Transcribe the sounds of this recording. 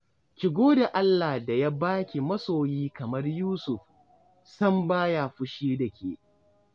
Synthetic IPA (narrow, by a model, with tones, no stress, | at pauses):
kʲɪ˨ɡʷoː˦da˨ʔa˦lːaː˨hda˨ja˦baː˦kʲi˨mɐ˦soː˨jiː˦kɐ˨mɐ˦rjuː˦sʊ˨ɸ | sɐ˦mbaː˦ja˨ɸʊ˦ʃiː˦dɐ˨kʲʰḛː˨